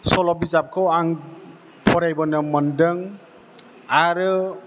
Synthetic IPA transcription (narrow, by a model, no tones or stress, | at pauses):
sɔlɔbizap̚kʰɯwaŋ | pʰɔɾajbɔnɯmɔndɯŋ | aɾɯ